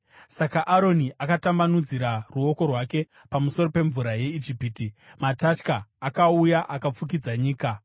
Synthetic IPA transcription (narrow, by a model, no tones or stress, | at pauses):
sakaʔaɾo̞niʔakatambanud͡ziɾaruo̞ko̞rwake̞ | pamuso̞rope̞ɱvuɾaje̞id͡ʒipiːtimatat͡ʃkaːkaujaʔakap͡fuk̬id͡zaɲiːka